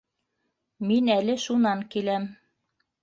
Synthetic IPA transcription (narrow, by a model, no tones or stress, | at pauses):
minælɘʃunɑŋkilæm